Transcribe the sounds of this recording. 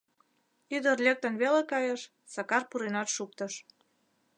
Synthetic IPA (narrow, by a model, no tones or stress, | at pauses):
yd̪ərlʲek̚t̪ənβelekɑjəʃ | sɑkɑrpuɾenɑt̪ʃuk̚t̪əʃ